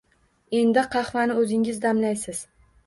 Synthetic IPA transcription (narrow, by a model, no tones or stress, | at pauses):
e̞nd̪ɪqʰɑχvanɪɵzɪŋɪzd̪amlajsɪz̥